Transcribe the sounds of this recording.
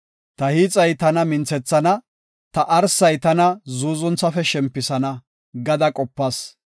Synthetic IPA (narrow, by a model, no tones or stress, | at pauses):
t̪ɐhiːt͡sʼɐjt̪ɐnɐmɪnt͡sɛt͡sːɐnɐ | t̪ɐʔɐɾsɐjt̪ɐnɐzuːzɔnt͡sːɐfɛʃɛmpːɪsɐnɐ | ɡɐd̪ɐkʼɔpːɐs